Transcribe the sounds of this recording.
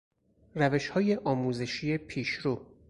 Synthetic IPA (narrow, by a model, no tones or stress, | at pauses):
ræve̞ʃhɒːje̞ʔɒːmuːze̞ʃije̞pʰiːʃɾuː